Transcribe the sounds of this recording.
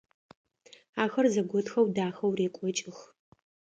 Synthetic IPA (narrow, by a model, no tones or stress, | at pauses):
aːxɐrzɐɡʷɔtxɐwdaːxɐwreːkʷʼɔt͡ʃʼɪx